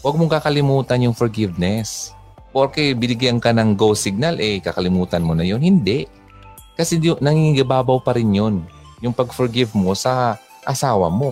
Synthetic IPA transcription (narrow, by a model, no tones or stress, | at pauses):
wɐɡ̚moŋkakɐlɪmuːt̪ɐnjʊŋfɔɹɡɪvnɛs | ʔoɾkɛbɪnɪɡjankanɐŋɡowsɪɡ̚nalʔɛkakɐlɪmuːt̪ɐnmonɐjo̞nhɪnd̪ɛʔ | kɐsɛjʊnɐŋiŋɪɡɐbaːbawpɐɾɪnjo̞n | jʊŋpɐɡfɔɹɡɪvmo̞sɐ | ʔɐsaːwɐ̰mo̞